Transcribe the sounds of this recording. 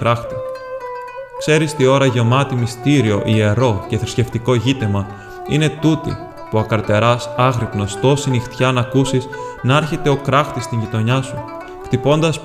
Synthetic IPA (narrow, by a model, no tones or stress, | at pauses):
ɾɐxt̪i̥ | kse̞ɾist̪io̞ɾɐʝe̞mɐt̪imist̪iɾio̞ʔie̞ɾo̞ce̞θɾisce̞ft̪iko̞ʝit̪emɐ | ine̞t̪ut̪ḭ | puɐkɐɾt̪e̞ɾɐsɐɣɾipno̞st̪o̞sinixt̪çɐnɐkusiznɐɐɾçe̞t̪e̞o̞kɾɐxt̪ist̪iɲʝit̪o̞ɲɐsu | kt̪ipo̞nd̪ɐs